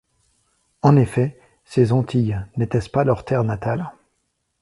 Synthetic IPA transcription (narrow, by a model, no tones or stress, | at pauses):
ɑ̃nefɛ | sezɑ̃t̪ʰijnɛt̪ɛspalœʁt̪ʰɛʁnat̪al